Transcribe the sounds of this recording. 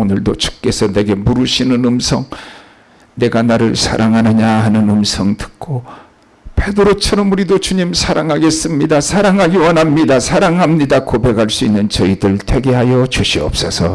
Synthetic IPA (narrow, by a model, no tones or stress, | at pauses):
onɯɭdot͡ɕʰu̥k͈e̞sʰʌne̞ɡe̞muɾuɕʰinɯnɯmsʰʌŋ | ne̞ɡanaɾɯɭsʰa̰ɾʔaŋɦanɯɲahanɯnɯmsʰʌŋtɯ̥k͈ʰo | pʰe̞dɯɾot͡ɕʰʌɾʌmuɾidot͡ɕuɲimsʰaɾaŋɦaɡe̞s͈ɯmɲidasʰaɾaŋɦaɡiwʌnɦamɲidasʰaɾaŋɦamɲidakobe̞khaɭs͈uinːɯnt͡ɕʌidɯɭtʰe̞ɡe̞ɦajʌt͡ɕuɕʰiʌp̚s͈ʌsʰʌ